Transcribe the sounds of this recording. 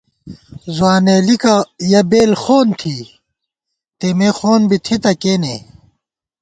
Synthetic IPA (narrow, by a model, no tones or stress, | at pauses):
zwaːneːlikajɐbeːlxoːnt̪ʰi | t̪emexoːnbit̪ʰit̪ɐkeːne